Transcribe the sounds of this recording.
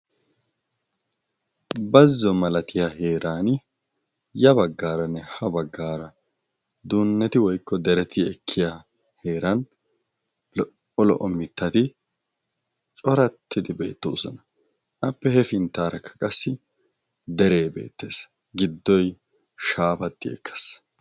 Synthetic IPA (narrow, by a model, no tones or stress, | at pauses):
bɐzːɔmɐlɐt̪ʰɪjahe̞ːɾaːn | jɐbɐɡːaːɾɐnːɛhɐbɐɡːaːɾɐ | d̪uːnːɛt̪ɪwɔjkʰːɔd̪ɛɾɛt̪ʰɪɛkʰːɪja | he̞ːɾɐn | ɔlɔ̰ʔɔmɪt̪ːɐt̪ɪ | t͡ʃʼɔɾɐt̪ʰːɪd̪ɪbe̞̰ːt̪ːo̰ːsɔnɐ | ʔɐpːɛhɛfɪnt̪ːaːɾɐkʰːɐ̥kʼɐsːɪ | d̪ɛɾeːbe̞̰ːt̪ːe̞ːs | ɡɪd̪ːɔj | ʃaːfɐt̪ːɪɛ̰kːɐ̥s